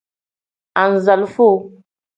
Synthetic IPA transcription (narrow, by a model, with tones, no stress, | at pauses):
a˨n̩˨za˨lu˦fo˦˨